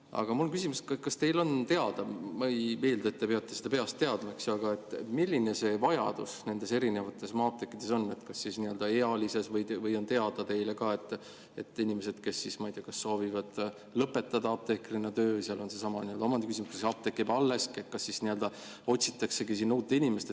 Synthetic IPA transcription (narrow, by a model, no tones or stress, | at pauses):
ɑ̰ɡ̥ɑmulonkysimuskɑkɑst̪e̞jlo̞nt̪e̞ɑd̪̥ɑmejme̞ːld̪ɑet̪ːepe̞ɑt̪ːˑe̞sed̪̥ɑpe̞ɑst̪eɑd̪mɑeksɑɡɑe̞t̪ːˑmilʲːine̞se̞vɑjɑ̰d̪̥usne̞nd̪̥e̞se̞ɾine̞vɑt̪ːˑe̞smɑːp̚t̪e̞kːˑid̪̥e̞so̞nːe̞t̪kɑsːisniø̞ld̪ɑeɑlise̞svɤj̪vɤjo̞nt̪e̞ɑd̪̥ɑt̪e̞jle̞kɑe̞t̪ːˑ | e̞t̪ːˑinʲimese̞d̪̥ke̞sːismɑijd̪eɑkɑsːo̞ːvivɑd̪̥ | lɤpːe̞t̪ːˑɑd̪ɑɑb̥̚t̪e̞krinːɑt̪ø̞ːvɤjseɑlo̞nse̞sɑmɑnield̪o̞mɑnd̪ikys̬imuskɑsɑp̚t̪ekːˑibɑlːe̞sket̪̚kɑsːisniø̞ld̪ɑ | o̞tʲsi̥t̪ːˑɑkse̞ɡis̬inːuːt̪ːˑe̞inʲime̞st̪e